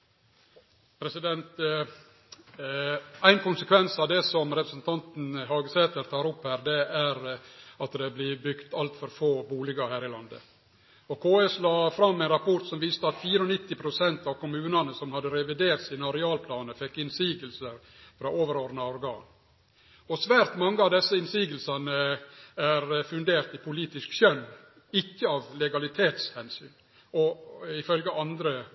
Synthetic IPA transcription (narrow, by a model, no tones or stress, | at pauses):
pʰɾɛsɪd̪ɛnt̪ | æɪnkʊnsəkʰʋɛnsɑʋd̪ɛsɔmɾɛpɾəsn̩t̪ʰɑnt̪n̩ɦɑːɡəseːt̪əɾt̪ʰɑːɾʊpːhæːɾd̪ɛæɾɑt̪d̪ɛblɪbʏkt̪ɑlt̪fɔɾfoːbuːlɪɡɑhæːɾɪlɑnd̪ə̰ | ɔkʰoːeslɑːfɾɑmːɛɪnɾɑpʰɔʈ̪sɔmʋiːst̪əɑt̪fiːɾəɔnɪt̪ːɪpʰɾʊsɛnt̪ɑʋkʰʊmʉːnɑnəsɔmhɑd̪əɾɛʋɪd̪eːɾʈ̪sæɪnɑɾɪɑːlpʰlɑːnəfɛkːɪnsiːɡəlsəɾ | fɾɑːʔoːʋəɾoːɾnɑɔɾɡɑ̰ːn | ɔsʋæːɾt̪mɑŋːəɑʋd̪ɛsːəɪnsiːɡəlsɑnəæɾfʉnd̪eːɾt̪ɪpʰʊliːt̪ɪskʃœnː | ɪkːəɑːʋlɛɡɑlɪt̪ʰeːt̪shɛnsy̰ːn | ɔɪfœlɡəʔɑnd̪ɾə